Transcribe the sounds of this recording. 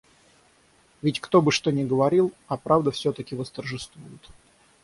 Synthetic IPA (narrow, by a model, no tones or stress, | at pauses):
vʲɪtʲkt̪o̞bɨʂt̪onʲɪɡəvɐɾʲilˠɐpɾavd̪əfsʲot̪əkʲɪvəst̪ərʐɨst̪vujʊt̪